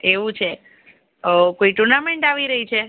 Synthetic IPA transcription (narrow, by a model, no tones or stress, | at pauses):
eʋũt͡ʃʰe | əkoiʈuɾnameɳʈaʋiɾəɦit͡ʃʰe